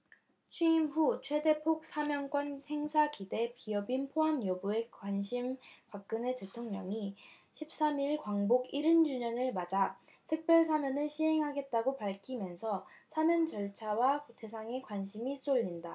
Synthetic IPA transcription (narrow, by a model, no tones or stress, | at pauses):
t͡ɕʰuimɸut͡ɕʰwe̞de̞pʰok̚s͈ʰamjʌŋk͈wʌnhe̞ŋsʰakide̞piʌbinpʰoɦamjʌbue̞kwaɲɕʰimpak̚k͈ɯne̞te̞tʰoŋɲʌŋi | ɕʰip̚s͈amiɭkwaŋboɡiɾɯnd͡ʑuɲʌnɯɭmad͡ʑa | tʰɯk̚p͈jʌɭsʰamjʌnɯɭɕʰiɦe̞ŋɦaɡe̞t̚t͈aɡopaɭkʰimjʌnsʰʌsʰamjʌnt͡ɕʌɭt͡ɕʰawate̞sʰaŋe̞kwaɲɕʰimis͈oʎːinda